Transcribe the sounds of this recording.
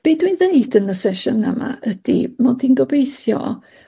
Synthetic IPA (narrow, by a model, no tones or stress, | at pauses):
b̥edwinðənidənəsɛʃʊnːama̰ʔəd̥ḭmɔdinɡɔbejθjɔ̰